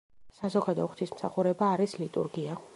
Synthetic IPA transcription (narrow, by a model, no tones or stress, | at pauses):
sazɔɡad̪ɔχt̪ʰismsaχuɾɛbaːɾislit̪ʼṵɾɡia